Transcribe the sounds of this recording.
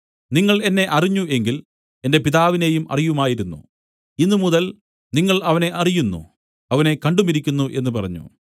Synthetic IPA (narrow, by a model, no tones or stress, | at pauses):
niŋːɐɭe̞nːe̞ʔɐriɲːue̞ŋɡil | e̞nde̞piðaːʋine̞jumʔɐ̰rijumaːjiɾunːṵ | inːɨmuðɐl | niŋːɐɭɐʋɐne̞ʔɐrijunːṵ | ɐʋɐne̞kɐɳɖumiɾikʲːunːuʔe̞nːupɐrɐɲːṵ